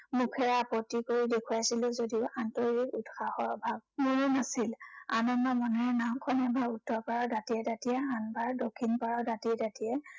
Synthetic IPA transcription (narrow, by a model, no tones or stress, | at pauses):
mukʰɛɹapɔtːikoɹidekʰuaasilʊzodiʊʔantɔɹɡikutxaxɔɹbʱab̚muɹunasila̰nɔnːɔmɔnɛɛnamkʰɔnɛbaɹudʰʱɔpaɹɔdatijɛtatijɛanbaɹdokʰːinpaɹadatiɛtatiɛ